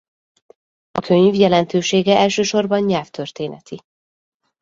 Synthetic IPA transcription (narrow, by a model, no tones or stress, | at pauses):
ɒkʰøɲvjɛlɛnt̪øːʃeːɡɛʔɛlʃøːʃo̞rbɒnɲɛlft̪ørt̪eːnɛt̪ʰi